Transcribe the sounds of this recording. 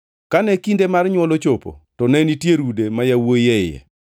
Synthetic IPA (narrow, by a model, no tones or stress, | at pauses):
kanɛkindemarɲwɔlot͡ʃopo̰tɔnɛnitjeɾudemajawojɛɪjɛ̰